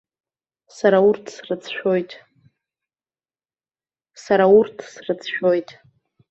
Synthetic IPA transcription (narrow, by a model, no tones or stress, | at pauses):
saɾaurtʰsrɨt͡sʰʃᶣojtʼ | saɾaurtʰsrɨt͡sʰʃᶣo̞jtʼ